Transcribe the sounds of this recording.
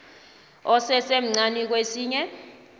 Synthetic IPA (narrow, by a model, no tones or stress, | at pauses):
ɔsɛsem̩ŋ͡ǀanik̬wesiːɲɛ